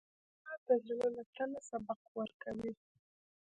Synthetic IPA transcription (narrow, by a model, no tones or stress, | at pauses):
at̪azlinonat̪anasabaq̚wəɾkawi